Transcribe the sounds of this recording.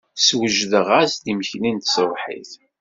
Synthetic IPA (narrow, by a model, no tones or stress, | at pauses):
swəʒðəʁasðiməçlint̪swˤħḭθ